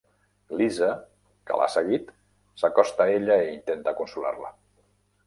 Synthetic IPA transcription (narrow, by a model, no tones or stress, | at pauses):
lizə | kə̰la̰səɣit̪ | sakɔst̪aeʎəeint̪ent̪əkunsula̰rlə̰